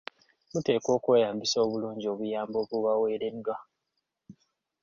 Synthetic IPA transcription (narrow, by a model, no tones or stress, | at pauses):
mute̞ːko̞ːkweːjaːmbiso̞ːβuluːɲɟio̞ːβujaːmbo̞βuβawe̞ːɾedwa